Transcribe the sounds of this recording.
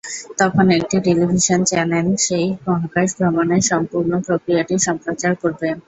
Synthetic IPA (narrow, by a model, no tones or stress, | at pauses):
t̪ɔkʰonek̚ʈiʈelibʱiʃont͡ɕɛɾmelʃejbɔɦakaʃb̪ʱɾɔboneʃɔmpuɾnopɾokɾijaʈiʃɔmpɾot͡ɕaɾkoɾbe